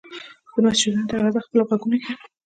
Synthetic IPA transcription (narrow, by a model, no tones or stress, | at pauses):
əmasd͡ʒud̪int̪alazaxpəloɣaɡunoke